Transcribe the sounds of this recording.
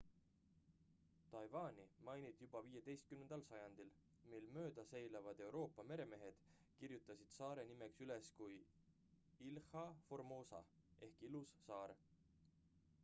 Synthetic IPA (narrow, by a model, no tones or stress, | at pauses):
t̪ɑjvɑːnʲimɑjnit̪jub̥ɑviːje̞d̪̥e̞jst̪̚kymnend̪ɑlsɑjɑnd̪̥il | milmø̞ːd̪̥ɑse̞jlɑvɑd̪̥e̞wɾo̞ːpːˑɑme̞ɾe̞me̞ɦe̞d̪̥ | kirjut̪ˑːɑsid̪̥sɑːɾe̞nimeksyle̞skuj | ilhɑformo̞ːsɑ̰ʔe̞hkilusːɑːɾ